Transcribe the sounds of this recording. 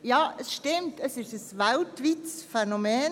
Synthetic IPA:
jɑːʔəsʃtɪmtəsɪstəsʋaltʋɪsfɛnomeːn

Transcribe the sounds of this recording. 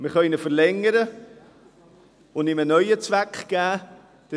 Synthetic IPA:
mɪɾχœʏnəfəɾlɛŋəɾə | ʊndɪmənœʏət͡svækχɡ̥æː | d̥ɑ

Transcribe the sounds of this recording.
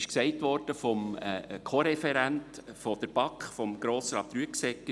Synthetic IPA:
ɪʃksɛɪtʋɔɾd̥əfɔmkʰoɾɛfɛɾæntfɔd̥əɾb̥ɑkχfɔmɡɾoːsɾɑt̪ɾyəksɛkːə

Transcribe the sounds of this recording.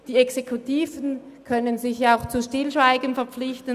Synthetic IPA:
d̥iːeksekʰutʰiːvən | kʰœnənzɪçaʊxt͡suʃtɪlʃvaɪɡənfɛɐpp͡flɪçtən

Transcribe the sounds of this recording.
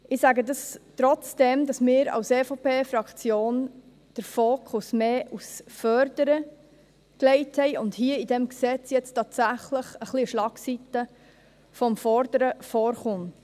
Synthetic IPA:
ʔɪsæɡədɑstɾɔt͡sd̥ɛmdɑsmɪːɾɑ̰wseːfopʰeːfɾɑkt͡sjoːn | d̥əɾfɔːkχʊsmeːʔusfœɾd̥əɾə | klɛɪthɛɪʊndhiːəidɛmksɛt͡sjɛt͡stɑːtsæχləχəχliʃlɑksitə | fɔmfɔɾd̥əɾəfɔːɾχʊn

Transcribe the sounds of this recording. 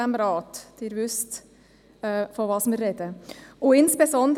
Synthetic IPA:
æmɾɑːt̪d̪̥ɪɾʋʏst̪ː | fɔʋɑsməɾɛd̪əʔoɪnsb̥ɛsɔnd̪

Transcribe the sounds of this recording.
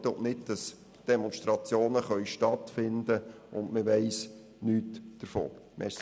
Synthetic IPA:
tʊnɪtd̥ɑs | d̪̥ɛmɔnstɾɑt͡sjoːnəχœʏʃtɑt̪fɪnd̪ə | ʔʊndməʋɛɪs | nyːtd̥əɾfo̰ː | mɛ

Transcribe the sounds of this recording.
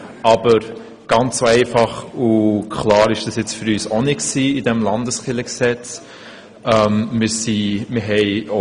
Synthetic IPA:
ʔɑbəɾ | ɡ̥ɑnt͡soɛɪfɑχʊkʰlɑːɾɪʃd̥ɑsjɛt͡sfyɾyːsonɪksiːidɛmlɑndəsχɪləksɛt͡s | ɛmmɪɾsimɪɦɛɪo

